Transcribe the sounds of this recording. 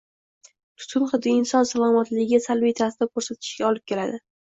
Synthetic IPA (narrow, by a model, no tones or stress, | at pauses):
t̪ʰʊ̥t̪ʰʊnχɨd̪iɪnsɒnsalˠɒmat̪lɪɪɡʲasalvit̪ʰasɪd̪akʰɵɾsat̪ʰɪ̥ʃɡʲaɒlɪp̚kʲe̞lad̪ɪ